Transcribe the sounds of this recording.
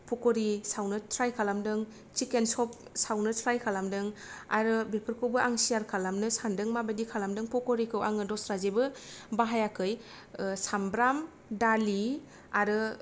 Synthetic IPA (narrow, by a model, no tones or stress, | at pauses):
pʰɔkoɾisawnɯtʰɾajkʰalamdɯŋ | t͡ʃikensɔp̚sawnɯtʰɾajkʰalamdɯŋa̰ɾɯbepʰɯɾkʰɯwbɯʔaŋsijaɾkʰalamnɯsandɯŋmabadikʰalamdɯŋpʰɔkoɾikʰɯwaŋɯdɔsɾazebɯbaɦajakʰɯj | sambɾam | dali | aɾɯ